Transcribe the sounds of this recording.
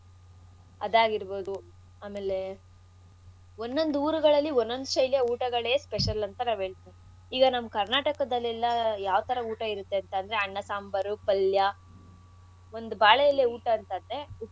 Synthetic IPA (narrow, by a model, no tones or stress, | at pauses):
ɐ̰d̪aːɡiɾboːd̪u | aːme̞ːle̞ | onːo̞nd̪uuːɾuɡɐɭɐlːionːond̪uʃɐjljɐuːʈɐɡɐɭeːspeʂɐlɐnt̪ɐnaːʋɦe̞ːɭt̪iːni | iːɡɐnɐmkɐɾnaːʈɐkɐd̪ɐlːɛlːɐjaːʋɐt̪ʰɐɾɐuːʈɐiɾut̪ːe̞ɐnt̪ɐnd̪ɐɾeɐɳːɐsaːmbɐɾupɐljɐ | o̞nd̪ubaːɭɐjɐlːeuːʈɐːnt̪ɐnd̪ɾe̞u